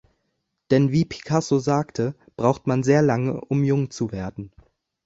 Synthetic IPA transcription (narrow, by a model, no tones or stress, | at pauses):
d̥ɛnviːpʰi̥kʰasozaːktʰə | b̥ʁaʊxtmanzeːɐlaŋəʔʊmjʊŋt͡suveːɐdn̩